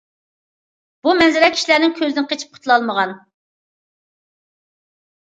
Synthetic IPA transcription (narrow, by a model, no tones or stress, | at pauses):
b̥umɛnzɪɾɛkʰʲi̥ʃilæɾnɪŋkʲʰøzd̪ɪnqʰet͡ʃʰi̥p̚qʰʊ̥t̪ʰlˠɑlˠməʁɑn